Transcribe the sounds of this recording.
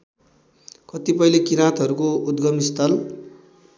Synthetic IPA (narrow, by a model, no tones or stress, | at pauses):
kʌt̪ipʌilekiɾãt̪ɦʌɾukoud̪ɡʌmist̪ʌl